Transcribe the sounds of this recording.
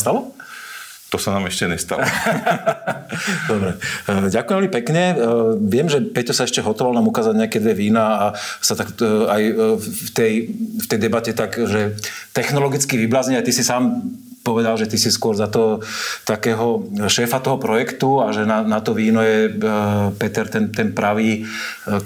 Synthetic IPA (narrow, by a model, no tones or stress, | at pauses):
st̪alɔ | t̪ɔsanaːmɛʃcɛɲɛst̪a̰lɔ | d̪ɔbɾɛɟakʊjɛ̃mʋɛlmipɛkɲɛʋɪɛmʒɛpɛt̪ɔsaɛʃcɛɦɔt̪ɔʋalnaːmukaːzadɲɛakɛd̪ʋɛʋiːnaːsat̪akajft̪ɛjft̪ɛjd̪ɛbacɛt̪akʒɛt̪ɛxnɔlɔɡit͡skiʋiblazɲɛat̪isisaːmpɔʋɛd̪alʒɛt̪isiskʊɔɾzat̪ɔt̪akɛːɦɔʃɛːfat̪ɔɦɔpɾɔjɛkt̪uaʒɛnanat̪ɔʋiːnɔjɛ | pɛt̪ɛɾt̪ɛnt̪ɛnpɾaʋiː